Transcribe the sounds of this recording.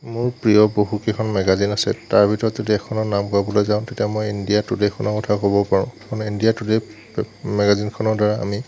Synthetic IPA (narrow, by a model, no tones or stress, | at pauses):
mʊɹpɹijɔboɦukekʰɔnmɛɡazinasɛ̰taɹbʱitɔɹɔtzodiɛkʰɔnɔnamkʊabɔlojzãʊ̃tetijamɔjindijatudekʰɔnɔkɔtʰakobɔpaɹʊ̃kaɔnindijatude | mɛɡazinkʰɔnɔɹdaɹaa̰mi